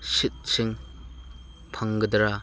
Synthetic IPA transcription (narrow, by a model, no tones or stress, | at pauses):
sit̚siŋ | pʰaŋɡɐdɾa